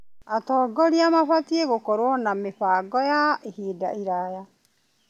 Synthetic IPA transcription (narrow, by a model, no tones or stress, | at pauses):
atɔːɡɔɾiamaɸatieɣokɔɾwɔnameɸaːɡɔjaehiːda̰ʔiɾaja